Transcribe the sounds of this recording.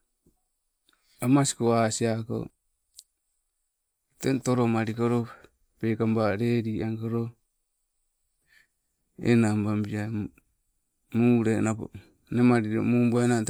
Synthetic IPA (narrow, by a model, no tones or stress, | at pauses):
amasi̥koasiako̰ | tentoɾomaɾikoɾo | pekambaɾeɾiaŋkoɾo | ḛnambambia | muːɾenapo̰ | nemaɾiɾo̰muːmboenat